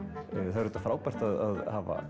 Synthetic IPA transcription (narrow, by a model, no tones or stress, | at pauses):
θaɾʏːt̪afɾaːwpɛr̥t̪aðaðhava̰